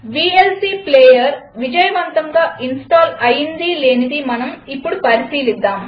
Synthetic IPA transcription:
ʋiːelsiːpleːjɐɾʋid͡ʒɐjɐʋɐnt̪ɐŋɡaːʔinsʈaːlɐjind̪ileːnid̪imɐnɐmipːuɽupɐɾisiːlid̪ːaːm

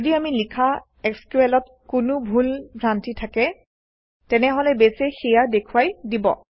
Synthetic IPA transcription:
odiamilikʰa | ɛkskuɛlɔt̚ | kʊnʊbʱulpʰɹantitʰakɛ | tɛnɛɦɔlɛbesɛxijadekʰuwajdibɔ̰

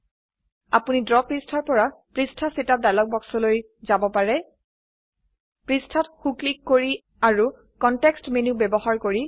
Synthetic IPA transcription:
a̰punidɹɔpɹistʰaɹpɔɹapɹistʰasitadalɔk̚bɔksɔloj | zabɔpaɹɛ | pɹistʰɔtxuklikːoɹi | aɹu | kɔntɛkstmenubɛbɔɦaɹkoɹi

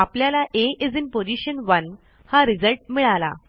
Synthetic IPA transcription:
apljalaʔeid͡zinpod͡ʑiɕənʋən | haɾid͡zəlʈ̚miɭala̰

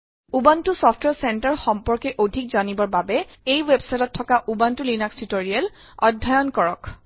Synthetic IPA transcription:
ubantʊsɔpʰtwɛɹsɛntɛɹxɔmpɔɹkɛʔodʱik̚zanibɔɹbabɛejwebsajtɔtʰːɔkaʔubantʊlinakstutoɹiɛl | ɔdʱːajɔnkɔɹɔk

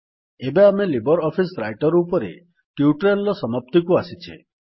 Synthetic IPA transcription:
ebeamelibɔɾɔpʰisɾajʈɔɾːpɔɾḛ | ʈjuuʈɾelːɔsɔmap̚t̪ikuasit͡ʃʰḛ

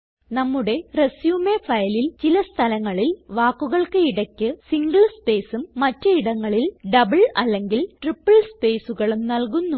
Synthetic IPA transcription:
nɐmːuɽe̞resjuːmefɐjɐlilt͡ɕilɐst̪ʰɐlɐŋːɐɭilʋaːkːuɣɐɭkɨiɽɐkʲːɨsiŋɡɐɭspe̞ːsumːɐtːɨiɽɐŋːɐɭilɖɐbɐɭɐlːe̞ŋɡilʈripːɐɭspe̞ːsuɣɐɭumnɐlkunːu

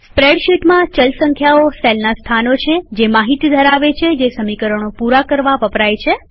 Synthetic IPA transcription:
spɾeɽʃiʈmãt͡ʃəlsə̃ŋkʰjaoselnast̪ʰanot͡ʃʰed͡ʒemaɦit̪id̪ʱəɾaʋet͡ʃʰed͡ʒesəmikəɾəɳ̃opuɾakəɾʋapəpɾajt͡ʃʰe

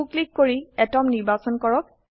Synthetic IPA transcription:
uklikːoɹiɛtɔmniɹbasɔnkɔɹɔk̚

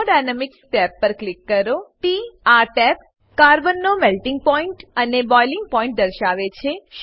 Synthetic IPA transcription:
ɖajnəmɪksʈɛpːəɾklɪkːəɾoʈiaɾʈɛp̚ | kaɾbənːomɛlʈɪ̃ŋɡ̚pɔiɳʈənebɔjlɪŋɡpɔĩɳʈ̚d̪əɾʃaʋet͡ʃʰeʃ

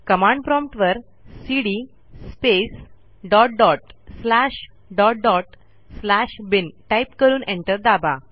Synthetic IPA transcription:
kəmãɳɖpɾɔmpʈʋəɾ | siɽi | spes | ɖɔʈ̚ɖɔʈslaɕ | ɖɔʈ̚ɖɔʈ | slaɕbinʈajpkəɾuːnʔẽɳʈəɾd̪aba

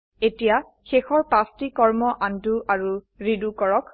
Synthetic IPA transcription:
etija | xexɔɹpastikɔɹmɔʔanduʔaɹu | ɹidukɔɹɔk

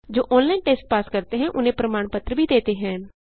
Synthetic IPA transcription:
d͡ʒoːʔɔ̃ːnlaːiɳʈeːsʈ̚paːskəɾt̪eɦɛ̃ːʔʊnẽːpɾəmaːɳpət̪ɾəbʱiːd̪eːt̪eːɦɛ̃ː

